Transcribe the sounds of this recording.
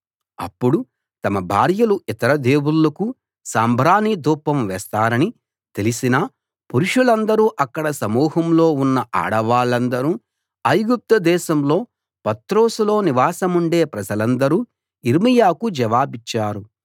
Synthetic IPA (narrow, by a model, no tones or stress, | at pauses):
ɐ̰pːuɽu | t̪ɐmɐbʱa̰ːɾjɐluit̪ɐɾɐd̪e̞ːwulːɐku | saːmbʱɾaːnid̪uːpːɐmʋɛːst̪aːɾɐni | t̪e̞lisinɐ | puɾuʂulɐnd̪ɐɾuːʔɐkːɐɽɐsɐmuːɦɐmlo̞ːunːɐʔa̰ːɽɐʋaːɭɐnd̪ɐɾu | ɐjɡup̚t̪ɐd̪ɛːʃɐmlo̞ː | pɐt̪ɾo̞ːsulo̞ːniʋaːsɐmuɳɖe̞ːpɾɐd͡ʒɐlɐnd̪ɐɾuː | iɾmijaːkud͡ʒɐʋaːbit͡ʃːaːɾu